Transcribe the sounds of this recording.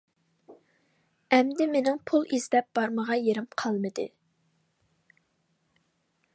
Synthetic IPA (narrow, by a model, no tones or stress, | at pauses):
ɛmd̪ɪmenɪŋpʰulˠizd̪ɛp̚b̥ɑɾməʁɑjeɾɪmqʰɑlˠmɨd̪ɨ̰